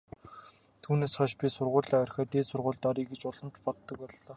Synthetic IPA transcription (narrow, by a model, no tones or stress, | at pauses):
t̪ʰuːneːsχɔʃpʲisʊrʁʊːɮiːɔrxʲœːt̪eːsʊrʁʊːɮt̪ɔːɾiːɡet͡ɕʊɮə̆mt͡ɕpɔt̪ːə̆k̚pɔɮːɔː